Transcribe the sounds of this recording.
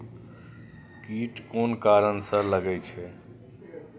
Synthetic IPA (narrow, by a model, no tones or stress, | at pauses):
kiʈonkaɾənsə̃ləɡɛt͡ʃʰɛ